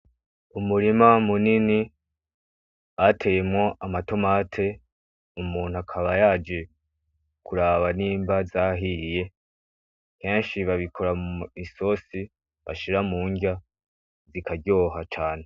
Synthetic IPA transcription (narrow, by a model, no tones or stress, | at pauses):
umuɾimamunini | atʰe̞jemŋo̞ʔamato̞matʰe̞ | umuːn̥uakʰaβajad͡ʒe̞ | kʰuɾaβaniːmbazaɦije̞ | ke̞ːnʃiβaβikʰo̞ɾamuiso̞si | βa̰ʃiɾamuːɲɡa | zikʰaɾɟo̞ːɦat͡ʃaːne̞